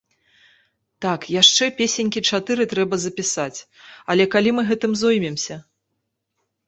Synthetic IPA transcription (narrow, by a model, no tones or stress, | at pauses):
t̪akjaʂt͡ʂɛpʲesʲenʲkʲit͡ʂat̪ɨɾɨt̪ɾɛbɐzɐpʲisat͡sʲ | ɐlʲɛkalʲimɨɣɛt̪ɨmzujmʲɛmsʲɐ